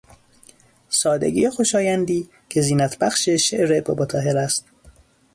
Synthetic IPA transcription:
sɒːd̪ḛɡʲḭːjexo̞ʃɒːjænd̪iː | cʰe̞ziːnæt̪ʰbæxʃeʃeʔɾebobot̪ʰɒːɦeɾæst̪

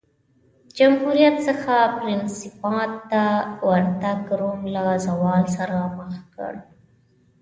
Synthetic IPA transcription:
d͡ʒamhuɾijat̪səxapɾɪnsɪpɑt̪ːawaɾt̪aɡɾomlazawɑlsaɾaməxkə̰ɽ

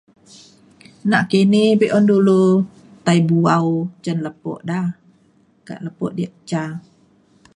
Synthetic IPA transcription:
naʔkenebeʔɔndulo | t̪ajbuawt͡ʃənləpɔ̰ʔda | ka̰ʔləpɔ̰ʔdiʔt͡ʃa

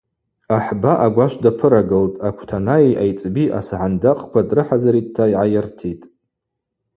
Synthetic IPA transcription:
aħbaʔaɡʷaʃʷdapʰɨɾaɡɨltʼakʷʰtʰanaiʔajt͡sʼbiʔa̰sʕandaqʼkʷʰadrɨħazaɾid̚tʰaiʕajɪrtʰitʼ

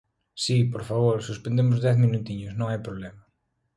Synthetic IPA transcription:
sipoɾfaβoɾsuspẽnd̪emʊzðɛθmĩnut̪iɲʊsnõŋajpɾoβlɛmɐ

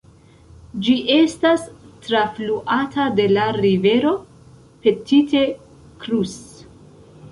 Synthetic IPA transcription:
d͡ʒiʔe̞stastɾafluʔatʰade̞laɾive̞ɾo̞ | pe̞titʰe̞ | kɾus

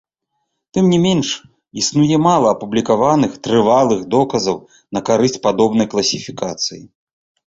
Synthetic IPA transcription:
t̪ɨmnʲimʲɛnʂ | isnujɛmalˠɐːpublʲikavanɨxt̪ɾɨvalˠɨxd̪ɔkɐzɐw | nɐkaɾɨsʲt͡sʲpad̪ɔbnɐjklˠɐsʲifʲikat̪sɨjḭ

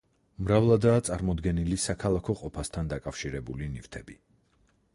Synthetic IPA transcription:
mɾavlˠad̪aːt̪sʼaɾmɔd̪ɡɛnilisakʰalˠakʰɔqʼɔpʰast̪ʰand̪akʼafʃiɾɛbulinift̪ʰɛbi

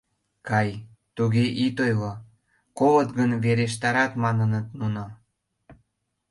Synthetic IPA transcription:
kɑj | t̪uɣeʔit̪ojlo | koβət̪ɡənβeɾeʃ̬t̪ɑɾɑt̪mɑnənət̪nuno

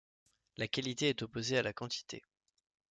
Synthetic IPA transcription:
lakalit̪eɛt̪opozealakɑ̃t̪ʰi̥t̪ʰḛ

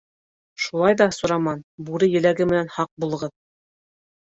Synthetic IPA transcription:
ʃulˠɑjðɑsŏɾɑmɑnbuɾɘjɘ̆læɡɘmɘ̆nænhɑq̚bulˠɤ̆ʁɤð

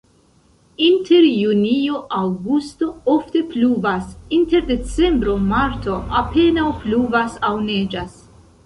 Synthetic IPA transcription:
inte̞ɾjunio̞ʔawɡusto̞ofte̞pluvasinte̞ɾde̞t͡se̞mbɾo̞maɾtʰo̞ape̞nawpluvasawne̞d͡ʒas

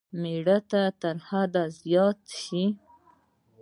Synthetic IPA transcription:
meɽat̪at̪əɾhad̪azjɑt̪ʃi

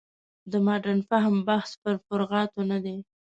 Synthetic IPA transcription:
d̪əmɑɖanfaɦmbahspəɾfʊɾɣɑt̪onad̪e

